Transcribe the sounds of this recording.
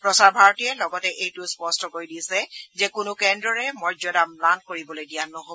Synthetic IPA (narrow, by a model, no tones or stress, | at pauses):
pɹɔsaɹbʱaɹɔtijɛlɔɡɔtɛʔejtʊspɔstɔkojdisɛzɛkʊnʊkɛndɹɔɹɛmɔɹzɔdamplankoɹibɔlojdijanːɔɦo